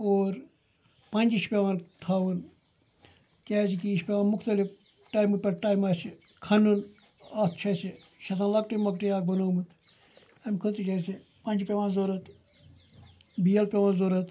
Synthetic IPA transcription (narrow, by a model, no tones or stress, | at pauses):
oːɾ | pɐ̃nʲd͡ʒiʃpʲeʋaːnt̪ʰaːʋɨn | kʲaːsikiiʃpʲeʋaːnmʊkt̪ɐlif | ʈaːjmupʲɐɾʈaːjmaːsi | kʰɐnun | at̪ʰt͡ʃʰɐsiʃɐt̪ʰãnlɐk̚ʈimɐkʈijaːk̚bɐnoːmɨt̪ | ɐmʲkʰut̪it͡ʃʰasi | pɐ̃nʲd͡ʒpʲeʋaːnzoːɾɐt̪ | bijɐlpʲeʋaːnzoːɾɐt̪